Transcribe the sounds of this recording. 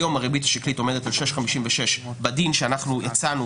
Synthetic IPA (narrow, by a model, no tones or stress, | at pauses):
jo̞maʁebitaʃiklito̞me̞detalʃeʃχamiʃimveʃeʃbadinʃeanaχnujat͡sanu